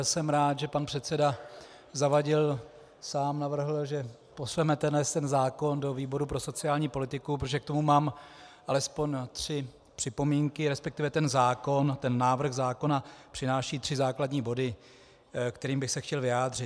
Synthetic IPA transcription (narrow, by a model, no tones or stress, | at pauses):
sɛmɾaːt̪ʒɛpanpr̥ɛt̪t͡sɛda | zavaɟɪl | saːmnavr̩ɦl̩ʒɛ | po̞svɛmɛt̪ɛnɛst̪ɛnzaːko̞ndo̞viːbo̞ɾupɾo̞so̞t͡sɪaːlɲiːpo̞lɪt̪ɪkup̬ɾot̪oʒɛk̚t̪o̞mumaːmʔalɛspo̞ɲt̪r̥ɪ | pr̝̥ɪpo̞miːŋkɪɾɛspɛk̚t̪ɪvɛt̪ɛnzaːko̞nt̪ɛnːaːvr̩ɣzaːko̞napr̝̥ɪnaːʃiːt̪r̥ɪzaːkladɲiːbo̞dɪ | kt̪ɛɾiːmbɪxsɛxcɛlvɪaːd̪rɪt̪